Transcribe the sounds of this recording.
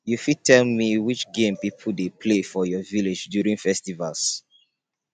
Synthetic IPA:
jufitʰɛlmiwit͡ʃɡẽmpipʰudepʰlefɔjɔviled͡ʒdjuɹĩŋfɛstivals

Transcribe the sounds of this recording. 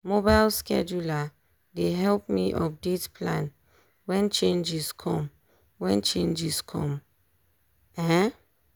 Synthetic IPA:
mobaɪlskɛ̰d͡ʒula | deɦɛlpmiʔɔ̰p̚detplãn | wɛ̃nt͡ʃẽnd͡ʒiskʰɔ̃m | wɛ̃nt͡ʃẽnd͡ʒiskʰɔ̰̃m | ɛɛ̃

